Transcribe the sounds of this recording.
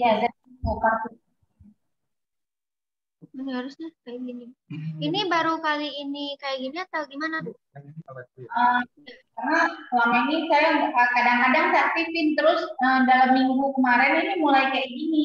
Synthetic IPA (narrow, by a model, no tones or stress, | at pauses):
azakokat̪ʊ | haɾʊsɲakajaɡiniinibaɾukaliːnikajaɡiniat̪awɡimanat̪ʊ | ə | karnakəlaŋinisajaəkadaŋadaŋsat̪ifɪnt̪əɾʊsəmdalamːiŋɡukəmaɾɪninimulajkajaɡini